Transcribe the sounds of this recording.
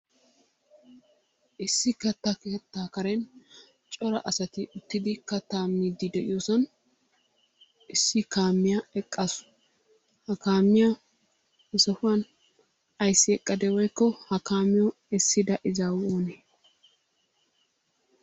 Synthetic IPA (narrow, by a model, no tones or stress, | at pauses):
ʔɪsːɪkɐt̪ːakeːt̪ːaːkɐɾɛn | t͡ʃʼɔɾɐʔɐsɐt̪ɪʊt̪ːɪd̪ɪkɐt̪ːaːmːiːd̪ɪd̪ɛʔɪ̰joːsɐn | ɪsːɪkaːmːɪjɐɛkʼːɐsʊ̥ | hɐkaːmːɪjɐ | ɪsɐfʊɐn | ɐjsːɪɛkʼːɐd̪ɛwɔjkːɔhɐkaːmːɪjɔ | ɛsːɪd̪ɐʔɪzaːwoːneː